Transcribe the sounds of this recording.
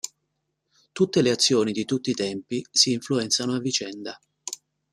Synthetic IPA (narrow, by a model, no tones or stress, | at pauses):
t̪ut̪ːeleat̪sːjoːnid̪it̪ut̪ːiːt̪ɛmpisiːɱfluɛnt̪sanoavːit͡ʃɛnd̪a